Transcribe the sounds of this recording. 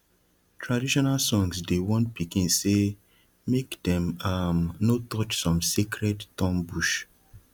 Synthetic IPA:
tʰɹadiʃɔnalsɔ̃ŋsdewɔ̃ntpikĩnse | mekdɛ̃mamnotɔt͡ʃsɔ̃msekɹɛdtɔ̃mbuʃ

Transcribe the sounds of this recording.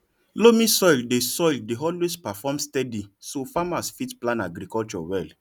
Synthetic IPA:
lomĩsɔjldesɔjldeɔlwespafɔmstɛdisofamasfitplãnaɡɾikɔlt͡ʃɔ̰wɛl

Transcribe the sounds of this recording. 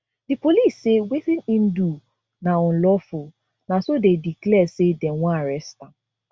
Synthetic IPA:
dipoliːsːeweθĩnĩn̩du | naɔ̃n̩lɔfʊ | nasodediklɛsedɛ̃wɔ̃aɾɛsta

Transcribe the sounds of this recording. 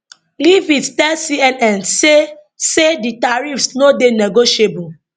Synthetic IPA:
livittɛlsiɛnɛ̃nse | seditaɹifsnodenɛɡoʃiebu

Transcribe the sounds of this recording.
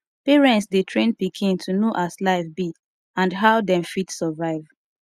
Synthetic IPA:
piɹɛ̃ntsdetʰɹẽnpikʰĩntʰunoʔaslaɪfbi | ãndɦaʊdɛ̃mfitsɔvaɪv

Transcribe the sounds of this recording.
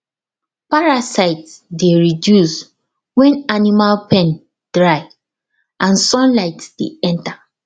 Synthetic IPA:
paɹasaɪtsdeɹidjus | wɛ̃nanimalpɛ̃n | d̥ɹaɪ | ʔãnsɔ̃nlaɪtsd̥eɛ̃nta

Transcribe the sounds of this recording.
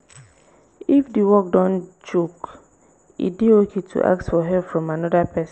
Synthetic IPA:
ifdiwɔk̚dɔ̃nd͡ʒok | ḭdiokʰetʰṵʔa̰k̚tfɔɦɛpfɹɔ̃manɔdapʰɛs

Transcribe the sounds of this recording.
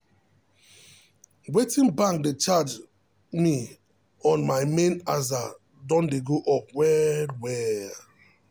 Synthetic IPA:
wetĩnbãŋk̚det͡ʃad͡ʒ | mi | ɔ̃nmajmẽnaza | dɔ̃ndeɡoʔɔp̚wɛdwɛ

